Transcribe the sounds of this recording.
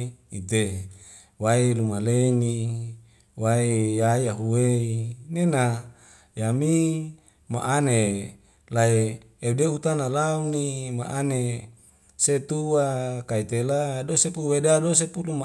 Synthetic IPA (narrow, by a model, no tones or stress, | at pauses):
it̪e | wailumaleni | waijajaɦuweinena | jami | ma̰ʔane | laeː | dehut̪analaunima̰ʔane | set̪uwakait̪eladosepuwedados̬epuluma